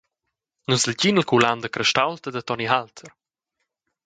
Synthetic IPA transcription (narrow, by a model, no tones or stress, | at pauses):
nusəlɟinəlkʰuland̪əkɾɛʃtawlt̪əd̪ət̪ɔniɦalt̪ʰəɾ